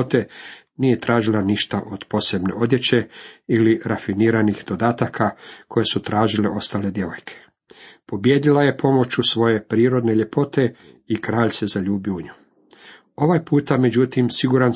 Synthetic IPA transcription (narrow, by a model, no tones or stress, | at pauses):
t̪e̞ | nije̞t̪ɾʔaːʒilaniʃt̪aʔo̞d̪̥po̞se̞bne̞̰ʔo̞d̪je̞t͡ɕe̞iliɾafiniːɾanixd̪o̞d̪aːt̪akʰakʰo̞je̞sut̪ɾaːʒileʔo̞st̪aːle̞d̪je̞ʋo̞̰jkʰe̥ | po̞bje̞ːd̪ilaje̞pʰo̞mo̞t͡ɕusʋo̞je̞pɾiːɾo̞d̪ne̞ʎe̞po̞t̪e̞ | ikɾaːʎʲse̞zaʎuːbjuɲu | o̞ʋajpuːt̪ame̞d͡ʑut̪imsiɡuɾan